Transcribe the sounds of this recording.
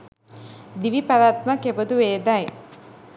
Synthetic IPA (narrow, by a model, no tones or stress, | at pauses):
d̪iʋipaɾaːt̪makebəd̪uʋeːd̪ɐj